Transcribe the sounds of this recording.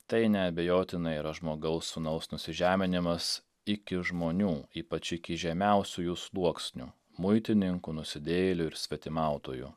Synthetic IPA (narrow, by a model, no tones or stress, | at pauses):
t̪ɐɪnʲɛɐbʲejoːt̪ʲɪnɐiːɾɐʒmoːɡɐʊsːʊnɐʊsnʊsʲɪʒʲæːmʲɪnʲɪmɐs | ɪkʲɪʒmoːnʲuːiːpɐt͡ʃɪkʲɪʒʲɛmʲæˑʊsʲujuslˠuɔksʲnʲu | mʊɪt̪ʲɪnʲɪŋkunʊsʲɪd̪ʲeːjlʲʊɪɾsʲʋʲɛt̪ʲɪmɑˑʊt̪oːjṵ